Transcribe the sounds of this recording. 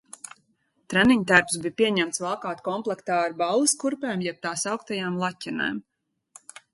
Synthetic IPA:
t̪ɾæniɲt̪̬æɾpsbipʲiɛɲæmt̪svalˠkaːt̪kɔmplˠɛkt̪aːɾbalˠɨskuɾpɛːmjɛp̚t̪aːsawkt̪ajaːmlˠacʲːɛnɛ̰ːm

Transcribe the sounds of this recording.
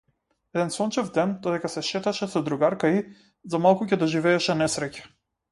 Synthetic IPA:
ɛd̪ɛnsɔnt͡ʃɛvd̪ɛnd̪ɔd̪ɛkasɛʃɛt̪aʃɛsɔd̪ɾuɡaɾkai | zamalˠkucɛd̪ɔʒivɛːʃɛnɛsɾɛcḁ

